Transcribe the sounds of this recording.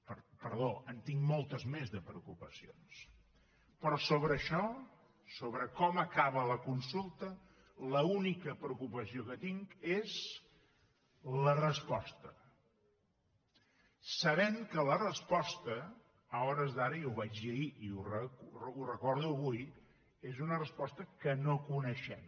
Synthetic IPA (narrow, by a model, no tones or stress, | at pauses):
pəɾpəɾðoʔənt̪iŋmolˠt̪əzmezðəpɾəukupəsions | pɾɔsoβɾəːʃɔ | soβɾəkɔməkaβələkunsulˠt̪ə | ləunikəpɾəukupəsiokət̪iŋkez | lərəspɔst̪ə | səβɛmkələrəspɔst̪əː | ɔɾəzðaɾəiuβad͡ʒʎəiiurəkrurəkɔɾðuəβuj | ezunərəspɔst̪əkənokunəʃɛm